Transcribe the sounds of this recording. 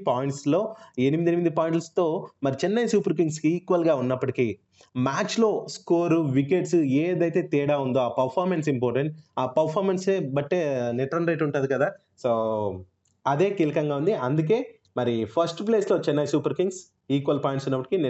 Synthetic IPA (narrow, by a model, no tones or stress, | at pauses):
paːjiɳʈslo̞ːe̞nimid̪ienimid̪ipaːjiɳʈɐst̪o̞ːmɐɾit͡ʃɛnːɐjsuːpɐɾk̬iŋɡsiːkʋɐlɡaːunːɐpːɐʈikiː | maːt͡ʃlo̞ːskoːɾuʋikeʈseːd̪ɐjt̪e̞ːt̪iːɽaːund̪oːaːpɐɾpʰaːɾmens̬impɔːɾʈeɳʈaːpɐɾpʰaːɾmenseːbɐʈːeːnɛʈɾɐnɾɐjʈuɳʈund̪ikɐd̪aː | soː | ɐd̪e̞ːkiːlɐkɐŋɡaːund̪iɐnd̪uk̬e̞ː | mɐɾipʰɐɾsʈpleːslo̞ːt͡ʃɛnːɐjsuːpɐɾkiŋɡs | iːkʋɐlpaːjiɳʈsunːɐpːɐʈikin